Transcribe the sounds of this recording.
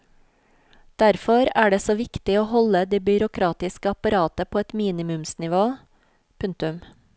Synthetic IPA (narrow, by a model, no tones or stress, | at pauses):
d̪̥æɾfɔɾæːɖeːsoːʋɪkt̪ɪoːhɔləd̪iːbʏɾʊkʰɾɑːt̪ɪskəɑpɑɾɑːt̪əpʰoːɛt̪miːnɪmʉmsnɪʋoː | pʰʉŋt̪ʉm